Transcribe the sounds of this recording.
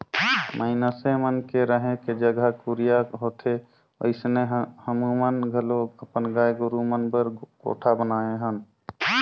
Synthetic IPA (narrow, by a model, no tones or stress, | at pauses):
mʔəɪnəsemənkeɾəɦẽked͡ʒəɡʱəkuɾijaɦot̪ʰe | o̰ɪsneɦhəmumənɡʱəloəpənɡaːjɡʊɾumənbəɾɡ̥o̰ːʈʰabənaːeɦən